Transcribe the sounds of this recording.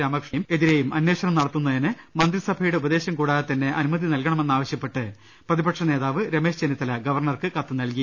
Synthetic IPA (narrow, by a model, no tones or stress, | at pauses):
aːmɐkʂejume̞ðiɾejumɐnweːʂɐnɐmnɐɽɐt̪ːunːɐðinɨmɐnd̪risɐbʱɐjuɽe̞ubɐðe̞ːɕɐmkuːɽaːt̪ɐnːe̞ʔɐnumɐðinɐlkɐɳɐme̞nːaːʋɐɕjɐpːe̞ʈːɨ | prɐðibɐkʂɐne̞ːðaːʋɨɾeme̞ːɕd͡ʑenit̪ːɐlɐɡɐʋɐrɳɐrkɨkɐt̪ːɨnɐlki